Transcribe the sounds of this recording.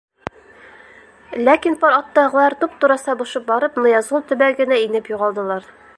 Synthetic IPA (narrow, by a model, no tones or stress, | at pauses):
lækinpɒɾɒt̪ːɑʁɤ̆lˠɑɾt̪up̚t̪uɾɑsɑbuʃɤp̚bɒɾɤpnɤ̆jɑzulˠt̪ɵ̆bæɡɘ̆næinɘpjuʁɑlˠd̪ɤ̆lˠɑɾ